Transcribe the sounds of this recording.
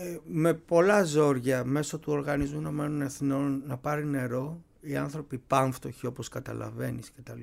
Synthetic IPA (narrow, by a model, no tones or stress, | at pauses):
me̞po̞lɐzo̞ɾʝɐme̞so̞t̪uo̞ɾɣɐnizmuino̞me̞no̞neθino̞nːɐpɐɾine̞ɾo̞ | iɐnθɾo̞pipɐɱft̪o̞çio̞po̞skɐt̪ɐ̰lɐ̰ve̞niscet̪ɐl